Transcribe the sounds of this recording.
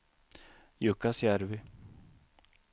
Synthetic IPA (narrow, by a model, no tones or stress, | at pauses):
jɵkːasjæɾvɪ